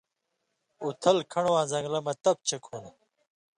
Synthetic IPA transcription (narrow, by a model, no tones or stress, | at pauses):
ut̪ʰɐlkʰɐɳowãːzɐ̃ŋɡlɐmɐt̪ɐp̚t͡ɕʰekʰoːn